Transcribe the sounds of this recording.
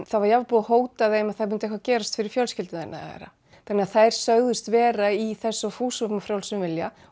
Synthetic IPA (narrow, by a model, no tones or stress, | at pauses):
θaðvaɾjavpuðahoːwt̪aðeːjmaðθaðmʏnt̪ehkvacɛːɾast̪fɪɾɪɾ̥fjœlscɪlt̪ɪnθɛ̰nːa̰vɛ̰ɾa̰ | t̪ʰɛnːɪaθaðɛɾ̥sœɣðʏst̪vɛːɾaiθɛsːɔfuːsɔmafɾjawlsɛmvɪlja